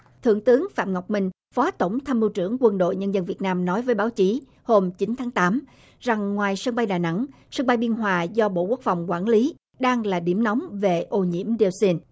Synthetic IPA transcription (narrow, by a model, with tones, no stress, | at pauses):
t̪ʰɨ̰˧˨əŋt̪ɨ˨˦əŋfa̰ː˧˨mŋa˨˩wk͡p̚mï˨˩ŋ̟ | fɔ˨˦t̪ə˧˩wŋ͡mt̪ʰaː˧mi˧wt͡ɕɨ̰˧˩əŋkwə˧nɗo̰˧˨jɲə˧nzə˧nvi˨˩ət̚naː˧mnɔ˨˦jvəː˨˦jɓaː˨˦wt͡ɕi˨˦ | ho˧mt͡ɕi˨˦nt̪ʰaː˨˦ŋt̪aː˨˦m | za˨˩ŋːwaː˨˩jsə˧ŋɓa˧jɗaː˨˩jna̰˧˥ŋ | sə˧ŋɓa˧jɓi˧ənɦwaː˨˩zɔ˧ɓo̰˧˨ku˦˥ək̚fa˨˩wŋ͡mkwaː˧˩nli˨˦ | ɗaː˧ŋlaː˨˩ɗḭ˧˩əmna˨˦wŋ͡mve˨˩ʔo˧ɲḭ˧˥əmɗe˧wsi˧n